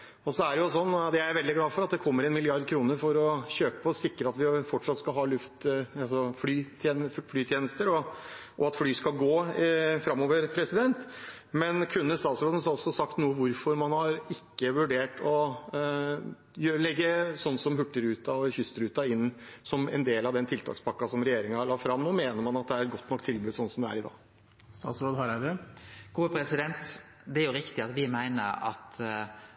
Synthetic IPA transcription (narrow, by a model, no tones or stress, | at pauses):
ɔsɔæɖɛjʊsɔnːd̪ɛæʋɛld̪ɪɡlɑːfɔɾɑt̪d̪ɛkʰɔmːəɾɛnmɪlɪɑɾd̪kʰɾuːnəɾfɔɾɔçøːpə̥pʰɔsɪkːɾəɑt̪ʋɪfɔʈʂɑt̪skɑlɦɑːlʉft̪ɑsɔflyːt̪ʰeːflyːt̪ʰjeːnəst̪əɾɔɔɑt̪flyːskɑlˠɡoːfɾɑmːoːʋəɾpʰɾɛsɪd̪ɛnt̪ | mɛnkʰʉnːənst̪ɑːt̪sɾoːd̪ən̩sɔsːɔsɑk̚t̪nuːəʋʊɾfɔɾmɑnhɑɾɪkːəʋʉɖeːʈɔ | jølɛɡːəsɔnːsɔmɦʉʈːəɾʉːt̪ɑɔçʏst̪əɾʉːt̪ɑɪnːsɔmɛ̰nd̪eːlɑʋd̪ɛnt̪ʰɪlt̪ʰɑ̰ːkspʰɑkːɑsɔmɾɛjeːɾɪŋɑhɑɭɑt̪fɾɑmnoːmeːnəɾmɑnɑt̪̚d̪ɛæɾɛt̪ɡɔt̪ːnɔkt̪ʰɪlbʉːd̪sɔnsɔmd̪ɛæ̰ɾɪd̪ɑ̰ːɡ | st̪ɑ̰ːsɾoːd̪hɑɾæd̪ɛɡ̥uːəpʰɾɛsɪd̪ɛnt̪ | d̪ɛæɾjʊɾɪkt̪ɪɑt̪ʋɪmæɪnə̰ɾɑ̰t̪